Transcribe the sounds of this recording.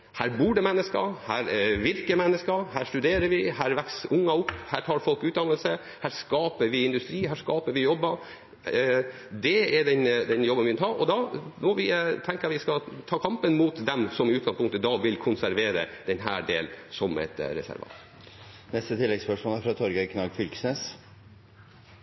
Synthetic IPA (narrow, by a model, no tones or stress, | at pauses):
hæːɾbuːɖɛmɛnːəskɑ̰hæːɾʋɪɾkəmɛnːəskɑhæːʂʈʉd̪eːɾəɾʋɪhæːɾʋæksʊŋːɑʊpːhæːʈʰɑːɾfɔlkʉːt̪d̪ɑnəlsə | hæːɾskɑːpəɾʋɪɪnd̪ʉst̪ɾiːɦæːʂkɑːpəɾʋɪjɔbːɑ | d̪ɛɛɖɛnd̪ɛnjɔbənʋɪɪnhɑːʔɔd̪ɑmɔʋɪt̪ʰɛŋkəjɑʋɪskɑt̪ʰɑːkʰɑmpənmuːt̪d̪ɛmsɔmɪʉːɡɑnspʊŋkt̪əd̪ɑʋɪlkʰʊnsæɾʋeːɾə̰d̪̥ɛnɦæ̰ːɖeːlnsɔmɛ̰t̪ɾɛ̰sæ̰ɾʋɑ̰ːt̪ | nɛst̪ət̪ʰɪlːɛɡspœʂmɔːlæɾfɾɑt̪ʰɔɾɡəkʰnɑɡfʏlksnes